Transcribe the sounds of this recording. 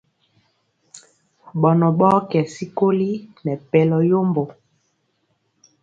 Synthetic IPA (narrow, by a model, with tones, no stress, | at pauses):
ɓɔ˨nɔ˨ɓɔ˦kɛ˨si˦ko˦li˦nɛ˨pɛ˨lɔ˨jo˦mbo˨